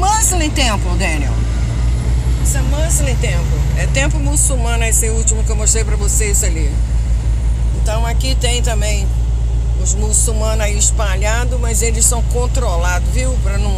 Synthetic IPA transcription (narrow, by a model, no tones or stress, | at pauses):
maslẽt̪ẽmpʊd̪ẽniɛ̰w | isʊɛmɐ̃silẽt̪ẽmpʊɛt̪ẽmpʊmusumɐ̃nʊesɪuwt͡ʃimʊkɪewmoʃt̪ɾejpɾɐvosezali | ẽnt̪ɐ̃w̃akit̪ẽj̃t̪ɐ̃mbẽj̃ | ʊzmusumɐ̃naiɪʃpaʎad̪ʊmɐzelɪssɐ̃w̃kõnt̪ɾolad̪ʊviwpɾɐnɐ̃w̃